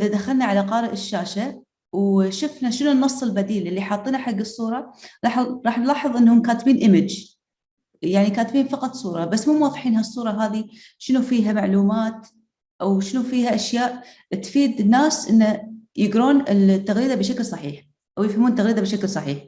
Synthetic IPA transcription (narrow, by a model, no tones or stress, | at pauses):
ʔɪðad̪axalnaʕalaqɑːɾɪʔɪʃːaːʃa | wʃʊfnaʃɪnunːɑsˤːɨlbad̪iːlʔɪlːiħɑːt̪ˤːiːnaħaɡːɨsˤːuːɾˤɑɾɑħɾɑːħnlaːħɨðˤʔɪnːhʊmkaːt̪biːnʔɪmɪd͡ʒ | jaʕnikaːt̪biːnfɑqɑt̪ˤsˤuːɾˤɑbasːmuːmwɑðˤːħiːnɦasˤːuːɾˤɑɦaːði | ʃɪnufiːɦamaʕluːmaːt̪ | ʔawʃɪnufiːhaʔaʃjaːʔ | t̪fiːd̪ɪnːaːsʔɪnːajɪɡɾuːnɪlt̪ːaɣɾiːd̪abɪʃaklsˤɑħiːħ | ʔawjɪfhamuːnt̪ːaɣɾiːd̪abɪʃaklsˤɑħiːħ